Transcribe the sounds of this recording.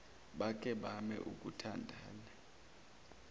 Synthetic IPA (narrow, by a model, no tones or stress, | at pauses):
ɓak̬ʼɛɓamɛ̰ʔuk̬ʼutʰandʱa̰ːna